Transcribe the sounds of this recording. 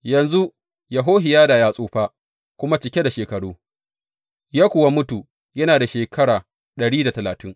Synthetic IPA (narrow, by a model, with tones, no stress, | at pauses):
jɐ˨nzu˦ | ja˨ɦoː˦ɦɪ˨jaː˦daː˨jaː˦sʼuː˦ɸaː˦ | kʷʊ˦ma˦t͡ʃɪ˨kʲe˦da˨ʃeː˨kɐ˨ɽuː˦ | jaː˦kʷʊ˨wa˦mʊ˦tu˨ | jɐ˦naː˨da˨ʃeː˨kʰɐ˦ɽaː˨ | ɗɐ˨ɽiː˦da˨tɐ˨laː˨tɪ˦ŋ